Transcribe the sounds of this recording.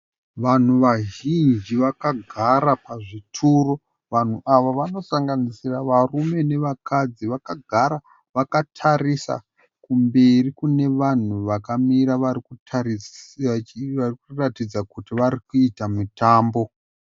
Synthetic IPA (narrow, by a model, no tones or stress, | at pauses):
ʋan̤uʋaʒind͡ʒiʋakaɡʱaɾapaʐitʰuːro | ʋan̤uʔaʋoʋano̞saŋɡanisiraʋarume̞ne̞ʋakad͡ziʋakaɡʱaɾa | ʋakatʰarisa̰ | kumbe̞rikune̞ʋan̤uʋakamiɾaʋarikuai | arikuratid͡zakutiʋaɾikuitamutaːmbo̞